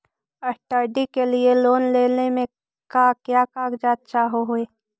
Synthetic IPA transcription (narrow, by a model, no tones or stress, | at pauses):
ɐsʈəɾɖikelieloːnleːnemẽ | kaːkjaːkaːkd͡ʒaːt̪̚t͡ʃaːɦoɦʊeː